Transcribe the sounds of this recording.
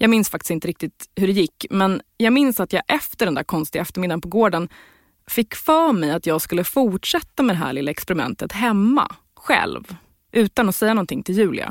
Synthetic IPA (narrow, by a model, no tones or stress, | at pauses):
jɑːɡmɪnsfak̚t̪ɪ̥st̪ɪnt̪əɾɪk̚t̪ɪt̪hɵɖɛjɪkːmɛnjɑːɡmɪnsat̪jɑːʔɛft̪əɖɛnd̪æːɾkʰɔnst̪ɪɡaɛft̪əɾmɪd̪ːanpɔɡoːɖən | fɪkːfœːɾmɛjat̪jɑːɡskɵlːəfʊʈʂɛt̪ːamɛd̪ɛɦæ̰ːɭɪlːaɛkspɛɾɪmɛ̰nt̪ət̪ɦɛmːa̰ | ɧɛ̰lv | ʔʉ̟ːt̪anɔsɛjːanɔnt̪ʰɪŋt̪ʰɪljʉ̟ːlɪ̰a̰